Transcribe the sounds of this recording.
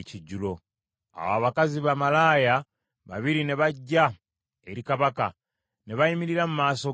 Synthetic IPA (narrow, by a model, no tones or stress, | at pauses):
ciɟːulo̞ | a̰waːβakaziβamalaːja | βa̰βiɾine̞βaɟːa | eɾikaβaka̰ | ne̞βaimiɾiɾamumaːso̞